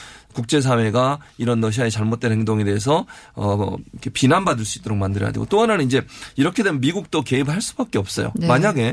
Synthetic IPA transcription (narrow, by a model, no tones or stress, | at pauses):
kuk̚t͡ɕ͈e̞s̬ʰawe̞ɡaiɾʌnːʌɕ̬ʰiaet͡ɕaɭmot̚t͈wenhɦeŋdoŋe̞de̞ːs̬ʰʌʌ̰ikʰepinanbadɯɭs͈uit͈̚oɾok̚mandɯɾʌ̰ja̰deɡo̰t͈oanannind͡ʑe̞iɾʌkʰe̞dwemjʌnmiɡuk̚t͈oke̞ibɯɭɦaɭs͈ubak̚k͈e̞ʌp̚s͈ʌ̰jo̰maɲaɡe̞